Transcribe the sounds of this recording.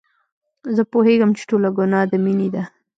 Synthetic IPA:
zəpoheɡamt͡ʃe̥ʈolaɡʊnɑd̪əminid̪a

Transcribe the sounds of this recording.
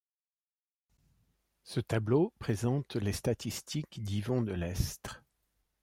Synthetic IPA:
sət̪ablopχezɑ̃t̪lest̪at̪ist̪ʰikd̪ivɑ̃d̪əlɛst̪χ

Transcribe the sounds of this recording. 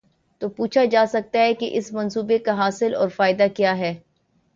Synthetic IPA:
t̪oːpuːt͡ʃʰad͡ʒaːsɐk̚t̪aɦɛkeʔɪsmɐ̃nsuːbekaɦaːsɪlɔ̰ːɾfaːɪd̪akjaːɦɛː

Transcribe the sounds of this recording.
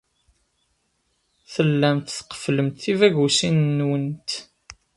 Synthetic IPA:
θəlːæmt̪θə̥qːə̥fləmt̪θivæʝusinːwənt̪

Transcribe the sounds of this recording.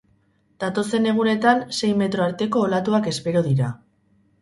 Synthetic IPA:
d̪̥at̪o̞se̞ne̞ɣ̞une̞t̪anse̞jme̞t̪ɾo̞aɾt̪e̞ko̞ːlat̪uake̞spe̞ɾoðiɾa

